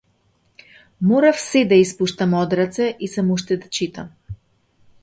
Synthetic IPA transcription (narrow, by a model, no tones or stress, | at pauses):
mɔɾafsɛd̪aispuʃt̪amɔd̪ɾat̪sɛʔisamuʃt̪ɛd̪at͡ʃit̪am